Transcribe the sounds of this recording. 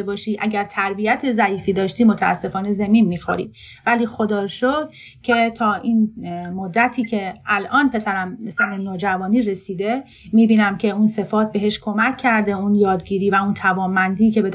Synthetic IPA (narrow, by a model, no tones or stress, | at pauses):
ebɒːʃiːʔæɟæɾt̪ʰæɾbijæt̪ʰezæiːfiːd̪ɒːʃt̪iːmo̞t̪ʰææ̰sːe̞fɒːne̞zemiːnmiːxo̰ɾḭ | væliːxo̞d̪ɒːɾʃod̪̥̚ | cʰe̞t̪ʰɒːʔiːnmod̪ːæt̪ʰiːcʰe̞ælʔɒːnpʰe̞sæɾæmsænenoːd͡ʒævɒːniːɾe̞siːd̪e̞ | miːbiːnæmcʰe̞unse̞fɒːt̪̚be̞ɦe̞ʃkʰo̞mæcʰːæɾd̪e̞unjɒːd̪ɟiːɾiːvæunt̪ʰævɒːmːænd̪iːcʰe̞be̞d̪